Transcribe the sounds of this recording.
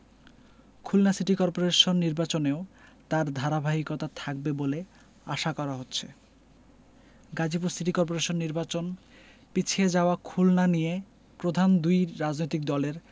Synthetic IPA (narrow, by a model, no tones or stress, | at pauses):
kʰulnasiʈikɔɾpoɾeʃonːiɾbat͡ɕoneot̪aɾd̪ʱaɾabʱaɦikot̪at̪ʰak̚bebole | aʃakɔɾaɦotːɕʰe | ɡad͡ʑipusiʈikɔɾp̬oɾeʃonːiɾbat͡ɕon | pit͡ɕʰied͡ʑaoakʰulnanije | pɾod̪ʱand̪ujɾad͡ʑnojt̪ik̚d̪ɔleɾ